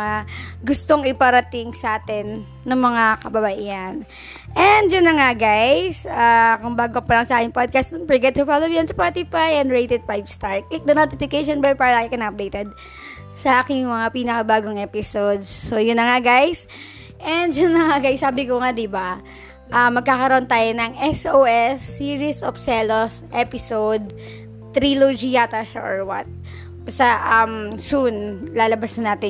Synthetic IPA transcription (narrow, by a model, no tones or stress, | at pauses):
aɡʊst̪oŋɪpɐɾɐt̪ɪŋsɐʔaːt̪ɛnː | ɐŋmɐŋakɐbɐbɐʔihɐn | ʔɛnd̪jʊnːɐŋaɡajsaːkʊŋbaːɡoɐpɐlɐŋsɐʔaːkɪŋpod̪̚kast̪npɛɹɡɛt̪̚t̪ʊfaːlowjɐnsɐpat̪ɪfajʔɛnd̪ɹejt̪ɛd̪̚pajbst̪aɹk̚ɪk̚d̪ɐnot̪ɪfɪkejʃonbɛl̚paːɹɐlaːkɪkɐnaʔɐp̚d̪ejt̪ɛd̪̚ | sɐʔaːkɪŋjʊŋmɐŋapiːnɐkɐbaːɡoŋʔɛpɪsod̪sːoːjʊnːɐŋaɡajs | ʔɛnd̪jʊnnːɐŋaɡajsːaːbɪkoŋad̪ɪba | ʔɐmːɐɡ̚kaːkɐɾoʔont̪aːjonɐŋʔɛsʔoːʔɛsːiːɹisʔofsɛlosʔɛpɪsod̪̚ | t̪ɾilod͡ʒiat̪ɐʃa̰ʔoɹwɐ̰t̪̚ | sɐʔɐmsunlaːlɐbasnɐnaːt̪ɪ